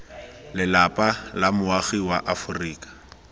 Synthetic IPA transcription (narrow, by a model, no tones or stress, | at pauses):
lɪlapʼalamʊaɣiwaʔafʊriːkʼḁ